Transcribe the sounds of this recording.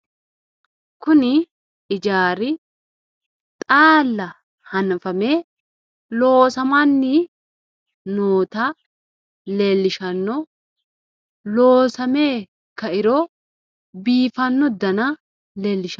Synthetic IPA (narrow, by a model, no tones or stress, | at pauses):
kʊnɪ | ɪd͡ʒaːɾɪ | t̪ʼaːlːɐ | hɐnfɐme̞ː | lo̞ːsɐmanːɪ | noːt̪aː | le̞ːlːɪʃɐnːɔ | lo̞ːsɐme̞ː | kɐɪɾoː | biːfɐnːɔd̪ɐnɐ | le̞ːlːɪʃ